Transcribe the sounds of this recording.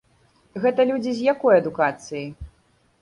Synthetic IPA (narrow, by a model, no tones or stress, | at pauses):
ɣɛt̪ɐlʲud͡zʲizʲjakɔjɐd̪ukat̪sɨji